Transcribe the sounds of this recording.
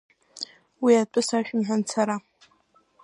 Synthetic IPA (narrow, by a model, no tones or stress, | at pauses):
wiat͡pʼɨsaʃᶣɪmħʷant͡sʰaɾa